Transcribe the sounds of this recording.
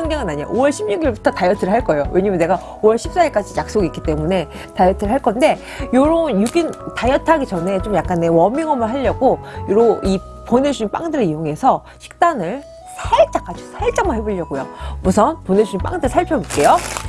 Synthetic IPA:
ʌnɡeŋɯnaɲia̰ʔowʌɭɕʰimɲuɡiɭbutʰʌtajʌtʰɯɾɯɭɦaɭk͈ʌjowe̞ɲamɯnːe̞ɡa | owʌɭɕʰip̚s͈aiɭk͈ad͡ʑijak̚s͈oɡik͈ːi̥t͈e̞mune̞ | tajʌtʰɯɾɯɭɦaɭk͈ʌnde̞ | joɾonjuɡintajʌtʰaɡit͡ɕʌne̞t͡ɕ͈omjak̚k͈anːe̞wʌmiŋʌmɯɭɦaʎːʌɡojoɾoʔi | pone̞d͡ʑʰuimp͈a̰ŋdɯɾeijoŋe̞sʰʌ | ɕʰi̥k̚t͈anɯɭ | sʰeɭt͡ɕ͈ak͈ad͡ʑosʰeɭt͡ɕ͈aŋmaɦeboʎːʌɡujo̰musʰʌnponed͡ʑʰuɲimp͈a̰ŋdɯɭsʰaɭpʰjʌbok͈e̞jo

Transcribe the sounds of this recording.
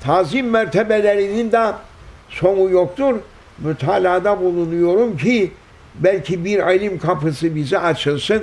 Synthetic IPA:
t̪ʰaːzimmæɾt̪ʰɛbelʲeɾinind̪ɛ | so̞nujok̚t̪ʰuɾ | myt̪ʰaːlʲaːd̪abulˠunujo̞ɾumcʰi | bælʲcʰibiɾalʲimkʰapɯsɯbizɛʔat͡ʃʰɯlˠsɯn

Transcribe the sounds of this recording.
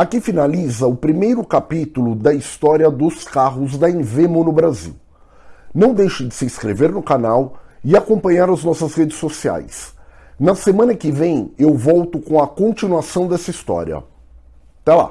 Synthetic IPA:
akifinalizɐʊpɾimejɾʊkapit̪ʊlʊd̪ɐist̪ɔɾiɐd̪ʊskaɦʊzd̪ɐẽvemʊnʊbɾazḭw | nɐ̃w̃d̪ejʃʊd͡ʒɪsɪĩskɾḛveɾnʊkanawɪakõpɐ̃ɲaɾɐznɔsɐzhed͡ʒɪsːosia̰js | nɐsemɐ̃nɐkɪvẽj̃ewvɔwt̪ʊkõɐkõnt͡ʃinuasɐ̃w̃d̪ɛsɐist̪ɔ̰ɾiɐ̰ | t̪ɛla̰

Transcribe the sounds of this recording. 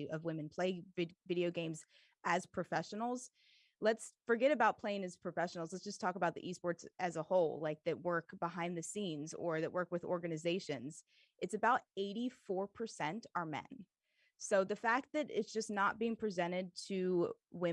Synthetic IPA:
ʔʌvwɪ̃mɨ̃npʰl̥eɪvvɪɾioʊɡẽɪ̃mz | ʔɨz̥pʰɹ̥ɨfɛʃn̩l̩ˠz̥ | lətsfə˞ɡɛɾɨbaʊt̚pʰl̥eɪɪ̃ŋɨz̥pʰɹ̥ɨfɛʃn̩l̩ˠzlətsd̥ʒ̥ʌstʰɔkəbaʊt̪̚ðḭʔisb̥ɔɹdsɨzəhoʊlˠlaɪk̚ðɨt̚wɜ˞kb̥əɦãɪ̃nðɨsĩnzə˞ðɨʔ̚wɜ˞kwɨðɔ̰ɹɡɨnɨzeɪʃɨ̃nz̥ | ʔɨtsɨbaʊɾeɪɾifɔɹpʰə˞sɛ̃ntə˞mɛ̰̃n | soʊðɨfæk̚t̪̚ðɨɾɪ̰tsd̥ʒ̥ʌsnət̚b̥iɪ̃ŋpʰɹ̥izɛ̃ɾ̃ɪd̚tʰɨwɪ̃

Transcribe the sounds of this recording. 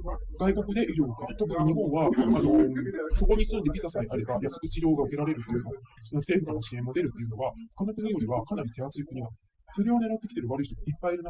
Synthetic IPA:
ɡ̥aiko̞kɯ̟d̪e̞ʔiɾʲo̞ːkat̪o̞kɯ̟ɲ̟iɲ̟iɦõ̞ɰ̃βaano̞so̞ko̞ɲ̟isɨ̃nd̪e̞bʲisasaeʔaɾe̞bajasɨ̥kɯ̟t͡ɕiɾʲo̞ːɡaɯ̟ke̞ɾaɾe̞ɾɯ̟t̪ːe̞jɯ̟nosonose̞ːɸɯ̟kanoɕiẽ̞mːo̞d̪e̞ɾɯ̟t̪ːe̞jɯ̟no̞βaɸɯ̟̥kanok̪ɯɲijo̞ɾʲiβakanaɾʲit̪e̞at͡sɨikɯ̟ɲ̟ina | so̞ɾe̞βone̞ɾat̪ːekʲt̪e̞ɾɯβaɾɯ̟içit̪ipːaiɾɯ̟na

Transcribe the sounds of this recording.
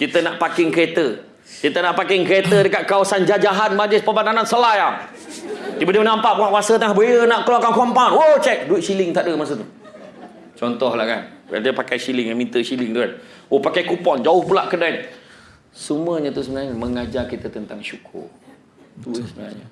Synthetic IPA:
kit̪ənaʔpakɪŋkəɾet̪ə | kit̪ənaʔpakɪŋkəɾet̪ədəkat̪̚kawasand͡ʒad͡ʒaɦanmad͡ʒɪspəbananansəlajaŋ | dibadiəmənampaʔpəŋaʔkuasət̪əŋahbəiənaʔkəluakankɔmpaunwot͡ʃɛk̚duit̪̚silɪŋt̪aʔdəmas̬ət̪u | t͡ʃɔnt̪ɔhlahka̰na̰dəpakajsilɪŋjamint̪əsilɪŋt̪ukan | opakajkupɔnd͡ʒaʊhpulaʔkədan | sumuəɲət̪usəbənaɲəməŋad͡ʒarkit̪ət̪ənt̪aŋʃukʰʊ̰r | t̪uəsəbəna̰ɲə̰

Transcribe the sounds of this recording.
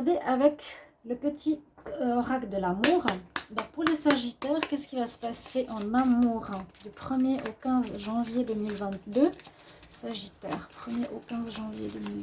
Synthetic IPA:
ʁd̪eʔavɛk | ləpət̪ʰiɔʁakd̪əlamuʁd̪ɔ̃k̚puʁlesaʒit̪ɛʁkʲɛskʲivasə̥paseʔɑ̃mɛ̃muʁɛ̃d̪ypχəmjeʔokʲɛ̃zʒɑ̃vjed̪ømilvɛ̃t̪d̪øsaʒit̪ɛ̰ːʁpχəmjeʔokʲɛ̃zʒɑ̃vjḛd̪ømil

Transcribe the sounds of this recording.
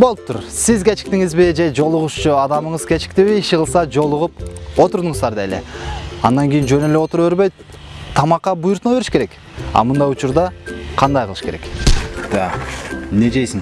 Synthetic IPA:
bo̞lˠup̚t̪uɾsizɡʲet͡ʃi̥k̚t̪iŋizbid͡ʒe̞d͡ʒo̞lˠuʁuʃt͡ʃuɑd̪ɑmɯɴɯzkʲʰet͡ʃi̥k̚t̪iβiːʃʁɯlˠsɑd͡ʒo̞lˠuʁup̚o̞t̪uɾd̪uɴzd̪ɑɾd̪ejlḛɑnd̪ɑŋɡʲijind͡ʒønyleo̞t̪uɾβøɾbø̞jt̪ | t̪ʰːɑmɑqːɑbujuɾt̪noβeɾʃkeɾe̞k | ɑ̰mund̪ɑjut͡ʃuɾd̪ɑqʰɑnd̪ɑjqʰlˠɯʃke̞ɾe̞̰kd̪̥ɑned͡ʒejsin

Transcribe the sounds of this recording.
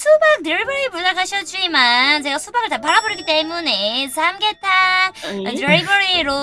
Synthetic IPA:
sʰubak̚tɾeɭibʌɾiepudakʰaɕʰʌt͡ɕ͈imant͡ɕeɡasʰubaɡɯɭtapaɾaboɾiɡit͈e̞mune̞sʰamɡetʰa | dɾeɭbʌɾiɾo

